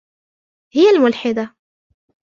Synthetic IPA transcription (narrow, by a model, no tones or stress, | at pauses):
hɪjːalmʊlħɪd̪a